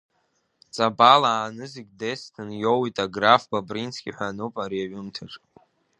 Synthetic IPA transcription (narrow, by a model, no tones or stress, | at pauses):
t͡sʼabalaːnɨziɡʲdestʰɨnjowitʼaɡrafbabrint͡sʰɡʲiħʷᶣanupʼaɾiaɥɨmtʰaʈ͡ʂʼ